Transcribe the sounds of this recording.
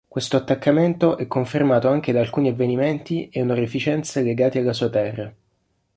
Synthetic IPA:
kwest̪oat̪ːakːament̪oʔɛkːoɱfermaːt̪oaŋk̟ed̪aːlkuːniavːenimɛnt̪ieunorefit͡ʃɛnt̪seleɡaːt̪ialːasuːat̪ɛrːa

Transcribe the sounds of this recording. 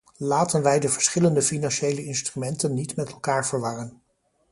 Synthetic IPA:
laːtənʋɛjdəvəɹsχɪləndəfinɑnʃejləɪnstrymɛntənːitmɛtɛlˠkaːɹv̥əɹʋɑrən

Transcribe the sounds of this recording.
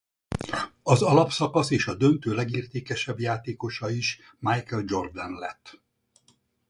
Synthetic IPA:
ɒzɒlɒpsɒkɒseːʃɒd̪ønt̪øːlɛɡiːrt̪eːkɛʃɛbjaːt̪eːko̞ʃɒiʃ | majkɛld͡ʒo̞rɡd̪ɛnlɛ̰t̪ː

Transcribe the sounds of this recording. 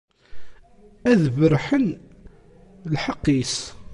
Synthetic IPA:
æðvəɾħən | lħɑqːis

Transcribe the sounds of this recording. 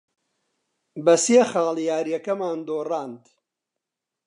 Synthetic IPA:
bɐsexaːljaːɾjɐkɐmaːnd̪oːraːnd̪

